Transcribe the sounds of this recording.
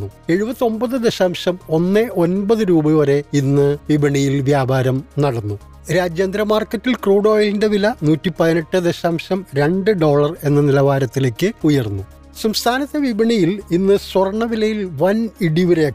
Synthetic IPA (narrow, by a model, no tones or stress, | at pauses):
ue̞ɻubɐt̪ːio̞mbɐðɨd̪eɕaːmɕɐmo̞nːɨo̞nbɐðɨɾuːbɐɐɾe̞inːɨʋibɐɳijilʋjaːbʱaːɾɐmnɐɽɐnːu | ɾaːd͡ʑjɐnd̪ɾɐmaːrkːɐtːilkruːɽo̞ːjilindeʋilɐnuːtːipɐðine̞ʈːɨd̪e̞ɕaːmɕɐmɾe̞ɳɖɨɖo̞ːɭɐre̞nːɐnilɐʋaːɾɐt̪ːile̞ːkʲːɨujɐrnːu | sɐmst̪ʰaːnɐt̪ːeʋibɐɳijilinːɨswɐrɳɐʋilɐjilʋɐniɽiʋiɾe